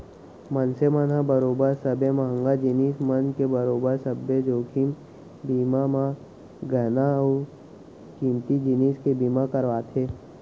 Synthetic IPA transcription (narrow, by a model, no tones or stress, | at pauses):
mənsemənɦãbəɾoːbəɾsəbeməɦə̃ŋɡad͡ʒiniːsmənkebəɾoːbəɾsəbːed͡ʒoːkʰim | biːmamã | ɡʱəna | kĩmt̪id͡ʒiniːskebiːmakəɾʋaːt̪ʰeː